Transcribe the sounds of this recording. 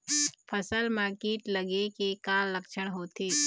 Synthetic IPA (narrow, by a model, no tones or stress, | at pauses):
pʰəsəlmãːkiːʈləɡekekaːlːɐkʃəɽ̃ɦoːt̪ʰeː